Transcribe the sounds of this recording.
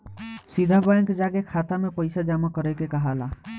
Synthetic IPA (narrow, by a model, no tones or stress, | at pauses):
sid̪ʱabajŋked͡ʒaɡekʰat̪amẽpəɪsad͡ʒamakəɾɛkekəɦala